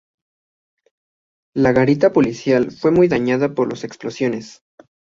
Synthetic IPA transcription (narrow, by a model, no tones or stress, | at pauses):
laɣaɾit̪apo̞lisjalfwe̞mujðaɲaðapo̞ɾlose̞ksplo̞sjo̞ne̞s